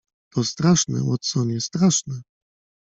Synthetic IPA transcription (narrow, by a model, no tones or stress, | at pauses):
t̪ɔst̪ɾaʂnɛ̰wɔt̪sɔɲɛst̪ɾaʂnɛ